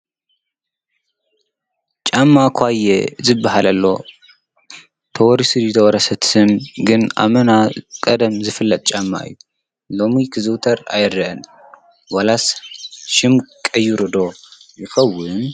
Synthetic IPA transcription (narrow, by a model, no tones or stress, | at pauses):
t͡ʃʼamːakʰʷajezɨbːaɦalʔɐlːo̞̰ | t̪ʰɐwɔɾisɨd̪id̪ɐwɐɾɐsɐt̪ːɨnɡɨna̰mɐnakʼɐd̪ɐmzɨfɨlːɐt̪ʼt͡ʃʼamːa̰ɨ̰jːu | lo̞mikʰɨzɨwt̪ʰɐɾa̰jɪɾɐʔɨn | wɐlasʃɪmkʼɐjːuɾɨd̪o̞jɨxɐwːʊn